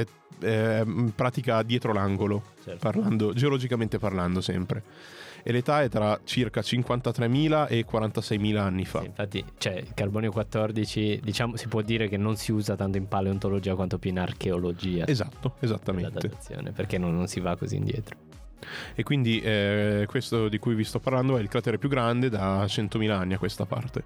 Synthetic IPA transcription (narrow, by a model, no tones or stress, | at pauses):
ɛ | ɛpːɾaːt̪ikad̪jɛːt̪ɾolaŋɡolot͡ʃɛrparland̪od͡ʒeolod͡ʒikament̪eparland̪osɛmpɾe | elet̪aɛt̪ːɾat͡ʃirkat͡ʃiŋkwant̪at̪ɾɛmːiːlaʔekwaɾant̪asɛjmiːlaanːifa̰ḭɱfat̪ːḭt͡ʃoɛḭlkarbɔːneokwat̪ːɔrd̪it͡ʃid̪it͡ʃaːmosipwɔd̪ːiːɾekenːonsiuːzat̪ant̪oimpaleont̪olod͡ʒiːakwant̪opjuinarkʰeolod͡ʒiːa̰ezat̪ːoezat̪ːamead̪ad̪et̪sːjo̰ːnḛperk̟enːonːonsivakːozḭːnd̪jɛ̰ːt̪ɾo̥ | ekːwind̪iʔɛkwest̪od̪ikujvist̪ɔpːarland̪oɛilkɾat̪ɛːɾepjuɡːɾand̪ed̪at͡ʃɛnt̪omiːlaanːiakːwest̪apa̰rt̪e